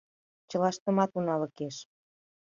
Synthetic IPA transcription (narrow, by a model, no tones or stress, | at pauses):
t͡ɕə̆lɑʃt̪ə̆mɑt̪unɑlə̆keʃ